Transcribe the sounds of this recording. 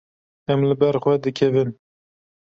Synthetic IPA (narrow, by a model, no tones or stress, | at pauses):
ɛmlɨbɛɾxwɛd̪ɨkʰɛvɨn